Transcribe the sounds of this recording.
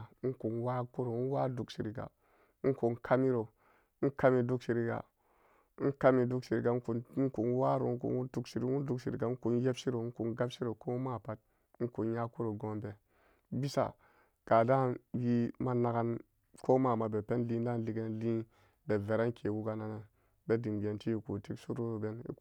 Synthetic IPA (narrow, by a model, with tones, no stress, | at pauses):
ku˨nwa˦ku˦ɾo˨˦wa˦du˨ksi˨ɾi˨ɡa̰˨˦ | ku˨nkʰa˦mi˦ɾo˨˦ | ka˦mi˨du˦ksi˨ɾi˦ɡa̰˨˦ | ka˦mi˨du˦ksi˨ɾi˨ɡa˨˦ku˨n̩˦ku˨nwa˦ɾo̰˨˦kṵ˨nu˦tu˨ksi˨ɾi˦u˦n˦du˨kʃi˨ɾi˨ɡa˨˦ku˨n˦je˦bsi˦ɾo˨u˦ku˨nɡa˦bsi˦ɾo˨ko˦ma˦˨pa˦t̚ | ŋ̩˦ku˨nja˦ku˦ɾo˨ɡo˦nbe˨˦ | bi˦sa̰˨ | ɡ̥a˨da˦˨nwi˦ma˦na˨ɡa˦n | ko˦ma˨ma˨be˨pe˦nli˦n˦da˦n˦li˦ɡe˦n˦li˦ | be˨ve˨ɾa˦n˦kʰe˨wu˦ɡa˨na˨na˨ | be˦di˨mɡe˨nti˦ji˨ku˨ti˦ksu˦ɾu˦ɾo˨be˦nḭ˦